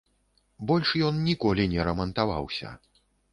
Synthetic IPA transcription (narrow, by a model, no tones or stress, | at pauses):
bɔlʲʂjɔnnʲikɔlʲinʲɛɾɐmɐnt̪ava̰wsʲɐ̰